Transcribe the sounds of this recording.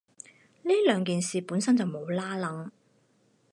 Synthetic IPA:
niː˥lœː˨˧ŋk̬iː˨nsiː˨puː˨˥nsɐ˥nt͡sɐ˨wmo˨˧wlaː˥lɐ˨˥ŋ

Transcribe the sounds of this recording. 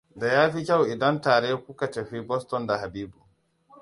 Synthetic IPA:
da˨jaː˦ɸi˦kʲa˦˨wʔɪ˨dɐ˦ntaː˨ɾe˦kʷʊ˦ka˨tɐ˨ɸi˦bɔ˦stɔ˨nda˨ha˨biː˦bu˨

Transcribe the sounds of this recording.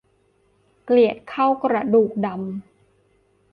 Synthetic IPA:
kli˨˩ət̪̚kʰa˥˩wkɾa˧duː˨˩k̚da˧m

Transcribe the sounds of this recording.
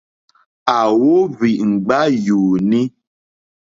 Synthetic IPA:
a˨wo˦βi˨ŋ͡m̩˨ɡ͡ba˦juː˨nĩ˦

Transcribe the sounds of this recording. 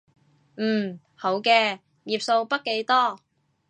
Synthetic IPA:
m̩ː˨˩ | ho˨˥wkɛː˧ | jiː˨p̚so˧wpɐ˥t̚ke˨˥jt̪ɔː˥

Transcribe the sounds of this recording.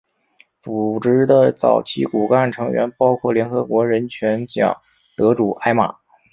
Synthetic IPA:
t͡su˨˩ʈ͡ʂɻ̩˧˥d̪ə˧t͡sɑ̰˨˩ʊt͡ɕʰi˧˥ku˨˩ka˥˩nʈ͡ʂʰɤ˧˥ŋɥɛ̰˧˥npɑ˥ʊkʰwɔ˥˩ljɛ˧˥nxɤ˧˥kwɔ˧˥ɻə˧˥nt͡ɕʰɥɛ˧˥nt͡ɕjɑ̰˨˩ŋ | t̪ɤ˧˥ʈ͡ʂu˨˩ʔa˥ɪma̰˨˩˦

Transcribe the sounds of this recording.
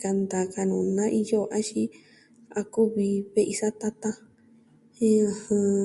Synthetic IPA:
ka˧nd̪a˨ka˧nũ˨nã˦ʔi˧jo˦˧ʔa˦ʃi˦ | a˧ku˦βi˧βe˦ʔi˧sa˦t̪a˦t̪ã˦ | a˧hã˧

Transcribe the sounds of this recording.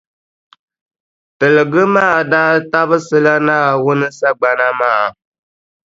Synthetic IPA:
tɨ˨lɨ˨ɡɨ˦maː˦˨daː˦ta˦βɨ˦sɨ˦la˦naː˦˨wʊ˦nɨ˦sa˦ɡ͡ba˨na˦maː˦˨

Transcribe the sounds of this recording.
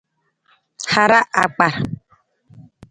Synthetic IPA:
ha˨ɾa˦ʔa˨k͡pa˨ɾ

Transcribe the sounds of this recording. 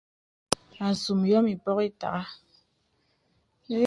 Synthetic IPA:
a˨su˨mjɔ˦mi˨pɔ˦ɣi˦ta̰˨ɣa˦

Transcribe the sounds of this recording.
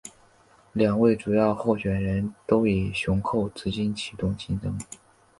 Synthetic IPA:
ljɑ˨˩ŋwe˥˩ɪʈ͡ʂu˨˩jɑ˥˧ʊxo˥˩ʊɕɥɛ˨˩nɻə˧˥nt̪o˥ʊi˨˩ɕʊ˧˥ŋkʰo˥˩ʊt͡sɹ̩˧˥t͡ɕi˥nt͡ɕʰi˨˩t̪ʊ˥˩ŋt͡ɕi˥nʈ͡ʂɤ˥ŋ

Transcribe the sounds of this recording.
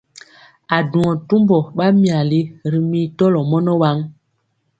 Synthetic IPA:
a˨du˨ŋɔ˨tu˦mbɔ˨ɓa˦mi˨a˨li˦ɾi˨mi˦tɔ˦lɔ˨mɔ˦nɔ˦wa˦ŋ

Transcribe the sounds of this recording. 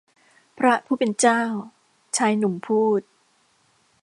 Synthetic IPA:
pʰɾa˦˥pʰuː˥˩pe˧nt͡ɕaː˥˩w | t͡ɕʰaː˧jnu˨˩˦mpʰuː˥˩t̪̚

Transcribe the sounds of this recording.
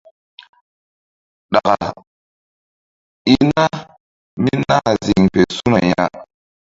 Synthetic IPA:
ɗa˨ka˨ | i˦na˦ | mi˦na˦zi˨ŋpe˨su˦na˨ja˦

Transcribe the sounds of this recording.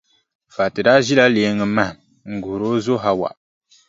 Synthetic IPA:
fa˨tɨ˨daː˦ʒi˦la˦le˨˦ŋɨ˨ma˦h | ŋ̩˨ɡu˨ɾo˦zo˦ɦa˦wa̰˨ʔ

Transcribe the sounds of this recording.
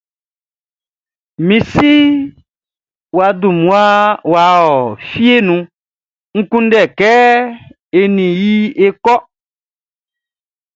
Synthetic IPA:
mĩ˨si˦ | wa˨dũ˨mũ˨a˦wa˨˦ɔ˨fi˦e˦nũ˧ | ŋ̩˦kũ˦n̩˦dɛ˦˨kɛ˦ | e˨nĩ˨ji˦e˦kɔ˦

